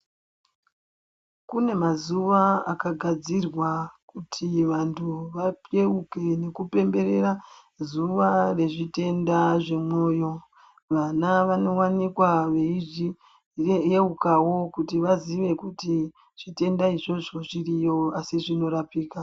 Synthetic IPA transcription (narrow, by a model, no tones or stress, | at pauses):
kune̞mazuʋaakaɡʱad͡zirwakutʰiʋantʰuʋapjeuke̞ne̞kupe̞mbe̞ɾe̞ra | zuʋare̞ʐite̞ndaʐe̞mwo̞ːjo̞ | ʋanaʋano̞wanikwaʋe̞iʐi | eukawo̞kutiʋaziʋe̞kuti | ʐ̥ite̞ndaiʐo̞ʐo̞ʐirijo̞asiʐino̞ɾapiːka